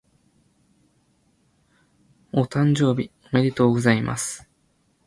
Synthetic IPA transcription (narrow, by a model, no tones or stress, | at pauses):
ot̪ãɲ̟d͡ʑo̞ːbʲi | meɾʲet̪oːɡɯ̟zaimʔa̰sɨ̥